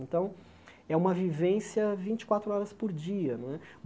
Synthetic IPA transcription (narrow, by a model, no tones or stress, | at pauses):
ẽnt̪ɐ̃w̃ | ɛũmɐvivẽsjɐvĩnt͡ʃɪ̥kwat̪ɾʊɔɾɐspoɾd͡ʒiɐñɛ